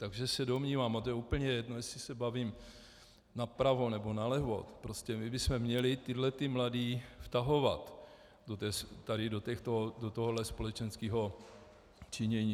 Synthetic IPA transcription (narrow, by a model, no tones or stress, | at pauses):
t̪aɡʒɛsɛdo̞mɲiːvaːmat̪ojɛuːpəɲɛjɛdno̞jɛsɪsɛbavim | napɾavonɛbo̞nalɛɦvo̞̰t̪pɾoscɛmɪbɪsmɛmɲɛlɪt̪ɪdlɛt̪ɪmladiːft̪aɦo̞vat̪ | dot̪ɛːst̪aɾɪdot̪ɛxt̪odot̪oɦodlɛspo̞lɛt͡ʃɛnskiːɦo̞ | t͡ʃɪɲɛɲiː